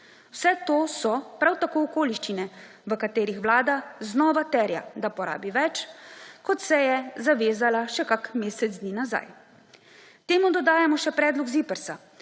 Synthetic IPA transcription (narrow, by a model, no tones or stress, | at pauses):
wsɛt̪oːsɔpɾawt̪akoːɔkoːliʃt͡ʃinɛ | ʋəkat̪eːɾixʋlaːd̪aznɔːʋat̪ɛːɾja̰d̪apɔɾa̰ːbiʋɛt͡ʃkɔt̪sɛjɛzaʋeːzalaʃɛkakmeːsɛd̪zd̪niːnaza̰j | t̪eːmud̪ɔd̪aːjamɔʃɛpɾɛːd̪lɔɡzipəɾsa